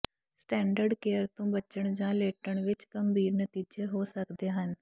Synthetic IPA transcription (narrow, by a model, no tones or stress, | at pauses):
sʈɛ̃ːɳɖəɾɖkeːəɾt̪õːbət͡ʃəɳd͡ʒãːleːʈəɳʋɪt͡ʃɡəmbʱiːɾnət̪iːd͡ʒeːɦoːsəkd̪eːɦən